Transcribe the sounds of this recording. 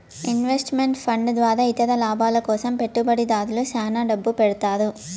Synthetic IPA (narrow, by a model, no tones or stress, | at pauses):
inʋesʈmeɳʈpʰɐɳɖd̪ʋaːɾaːit̪ɐd̪ɐlaːbaːlɐkɔːsɐmpeʈːubɐɽid̪aːd̪ulusaːnaːɖɐbːupɛɽut̪aːɾu